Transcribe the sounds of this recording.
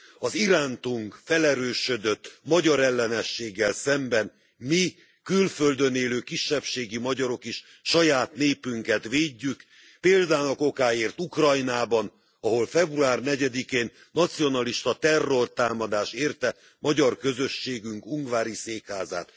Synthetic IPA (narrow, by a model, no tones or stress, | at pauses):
ɒziɾaːnt̪uŋkfɛlɛɾøːʃød̪øt̪ːmɒɟɒɾɛlːɛnɛʃːeːɡːɛlsɛmbɛn | mi | kylfø̞ld̪øneːløːkiʃːɛpʃeːɡimɒɟɒɾo̞keʃ | ʃɒjaːt̪neːpyŋkɛt̪ʋeːɟːyk | peːld̪aːnɒko̞kaːeːrt̪ukrɒjnaːbɒn | ɒɦo̞lfɛbruaːrnɛɟɛd̪ikeːnːɒt̪sijo̞nɒliʃt̪ɒt̪ɛrːo̞rt̪aːmɒd̪aːʃeːrt̪ɛ | mɒɟɒrkø̞zøʃːeːɡyŋkuŋɡvaːɾiseːkhaːza̰ːt̪